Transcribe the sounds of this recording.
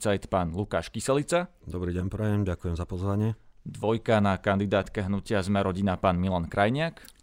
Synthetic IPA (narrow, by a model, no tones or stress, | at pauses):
t͡sajt̪paːnluka̰ːʃkisɛlit͡sad̪ɔbɾiːɟɛnpɾɛjɛmɟakujɛmzapɔzʋaɲɪɛd̪ʋɔjkanakand̪id̪aːt̪kɛɦnucɪazmɛɾʔɔɟinapaːnmilankɾajɲɪak